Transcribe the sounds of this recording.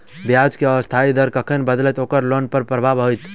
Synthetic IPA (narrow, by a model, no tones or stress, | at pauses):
bjad͡ʒkeəəst̪ʰaid̪əɾkəkʰənbəd̪lɛt̪okəɾlonpəɾpɾəbʱabɦojt̪